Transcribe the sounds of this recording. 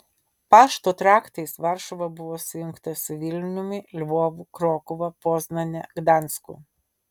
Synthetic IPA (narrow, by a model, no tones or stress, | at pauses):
pɑːʃt̪oːt̪ɾɑːkt̪ɐɪsʋɑɾʃɔʋɐbʊʋoːsʊjʊŋkt̪ɐsʲʊʋʲɪlʲnʲʊmʲɪlʲʋoːʋukɾoːkʊʋɐpoːznɐnʲɛɡd̪ɑnskʊ̰